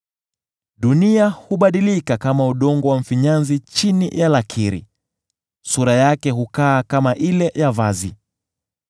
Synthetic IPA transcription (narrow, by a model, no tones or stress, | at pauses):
ɗuniahuɓaɗilikakamauɗɔŋɡɔwam̩fiɲanzit͡ʃinijalakʰiɾḭ | suɾajakɛɦukaːkamaʔilɛjavazi